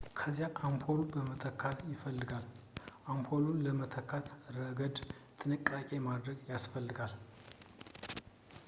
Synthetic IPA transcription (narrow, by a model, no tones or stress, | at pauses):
kʰəzjaʔampʰolubəmət̪ʰəkʰːat̪jɪfəlːɨɡalʔampʰolunləmət̪ʰəkʰːat̪ɾəɡəd̪t̪ʰʼɨnɨkʼːakʼemad̪ɾəɡjasfəlːɨɡal